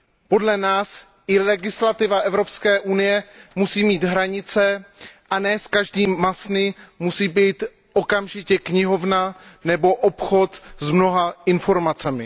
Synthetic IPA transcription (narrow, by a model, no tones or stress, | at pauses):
po̞dlɛnaːs | ʔɪlɛɡɪslat̪ɪvaʔɛvɾo̞pskɛːʔunɪjɛmusiːmiːd̪ɦɾaɲɪt͡sɛʔanɛːskaʒdiːmasnɪmusiːbiːt̪ | ʔokamʒɪcɛkɲɪɦo̞vnanɛbo̞ʔopxo̞t̪zmno̞ɦaɪnfo̞ɾmat͡sɛmɪ